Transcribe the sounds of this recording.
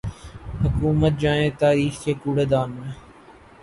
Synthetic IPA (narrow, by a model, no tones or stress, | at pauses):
həkuːmət̪̚d͡ʒaːẽːt̪aːɾiːxkekuːɽeːd̪aːnmẽː